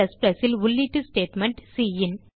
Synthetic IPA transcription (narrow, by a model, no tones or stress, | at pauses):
ɐspɾɐsɪlʊɭːiːʈːɯsʈeːʈmɐɳʈsiːjɪn